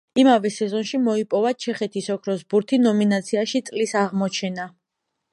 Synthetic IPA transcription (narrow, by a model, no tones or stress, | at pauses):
imavɛsɛzɔnʃimɔipʼɔvat͡ʃʰɛχɛt̪ʰisɔkʰɾɔzbuɾt̪ʰinɔminat̪sʰiaʃit̪sʼlisaʁmɔt͡ʃʰɛna